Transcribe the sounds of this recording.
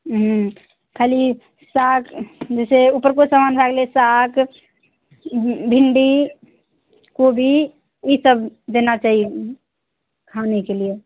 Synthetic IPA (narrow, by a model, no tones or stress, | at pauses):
ɦ | kʰali | sakd͡ʒeseupəɾkosəmanbʱaɡlesak | bʱiɳɖi | kobʱi | isəbd̪enat͡ʃaɦie | kʰanekelie